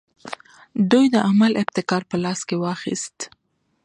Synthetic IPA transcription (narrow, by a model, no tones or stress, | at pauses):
d̪ujd̪əʔamalɪbt̪ɪkɑɾpəlɑskewɑxḭst̪